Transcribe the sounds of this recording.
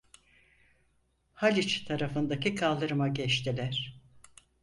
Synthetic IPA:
halʲit͡ʃt̪ʰaɾafɯnd̪akikʰalˠd̪ɯɾɯmaɟɛt͡ʃt̪ʰilʲæɾ̥

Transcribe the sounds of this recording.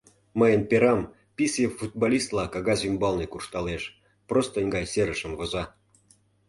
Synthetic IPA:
məjənpʲeɾɑm | pʲisjəfut̪̚bolʲist̪lˠɑkɑɣɑzymbɑlnekurʃt̪ɑleʃ | prost̪ənʲɡɑjseɾəʃə̆mvozɑ

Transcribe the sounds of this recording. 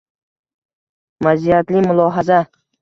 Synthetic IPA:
mazijat̪lɪmʊlˠɒːɦaza

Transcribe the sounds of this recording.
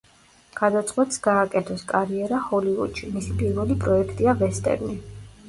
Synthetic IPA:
ɡ̥ad̪at̪sʼqʼwɛt̪ʼsɡ̥aːkʼɛt̪ʰɔskʼaɾiɛɾahɔlivṵd̪ʃimisipʼiɾvɛlipʼɾɔɛkʰt̪ʼiavɛst̪ʼɛ̰ɾni

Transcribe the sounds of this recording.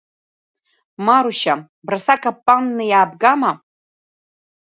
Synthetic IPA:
maɾuʃa | brasakʰapʼːanːɨjaːbɡama

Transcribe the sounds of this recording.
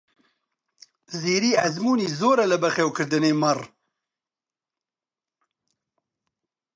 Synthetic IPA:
ziːɾiːæzmuːniːzoːɾɛlɨbɐχeːwkʰɨɾd̪ɨneːmɐr

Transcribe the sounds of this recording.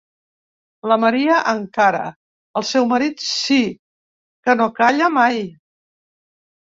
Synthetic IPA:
ləməɾiəʔəŋkaɾə̰ | əlˠsɛwməɾit̪si | kənokaʎəmaj

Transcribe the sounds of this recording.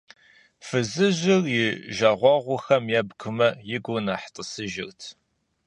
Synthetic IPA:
fɨzɨʑɪrjɪʒaːʁʷɑːʁʷʊxɐmjaːbɡʷʰʊmɐjɪɡʷʊnaːħtʼəsɨʒɪrtʰ

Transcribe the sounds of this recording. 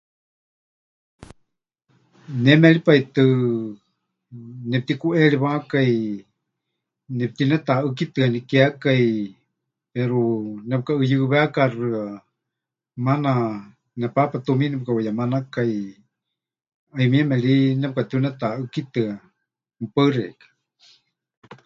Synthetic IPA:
nɛmɛɺipait̪ɨ | nɛp̚t̪ikuʔɛɺiβakai | nɛp̚t̪inɛt̪aɨkit̪ɨanikɛakai | pɛɾunɛp̚kaɨjɨβɛakarɨa | mana | nɛpapat̪uminɛp̚kawajamanakai | aimiɛmɛɺinɛp̚kat̪iunɛt̪aɨkit̪ɨa | mpaɨrɛ̰kḁ

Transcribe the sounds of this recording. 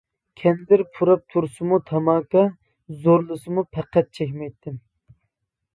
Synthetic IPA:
kʲʰɛnd̪ɪɾpʰuɾɑp̚t̪ʰuɾsɨmut̪ʰɑmɑːkɑ | zoɾlˠɨsɨmupʰæqːɛt̪̚t͡ʃʰɛkʲmɛjt̪ʰːɪm

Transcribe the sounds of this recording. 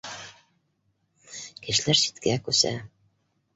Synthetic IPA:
kɘ̆ʃlæɾsi̥t̪kækʉsæ̰

